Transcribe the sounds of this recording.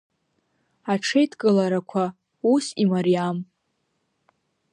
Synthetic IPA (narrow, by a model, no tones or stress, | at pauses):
aʈ͡ʂʰejtʰʼkʼɨlaɾakʷʰa | usimaɾijam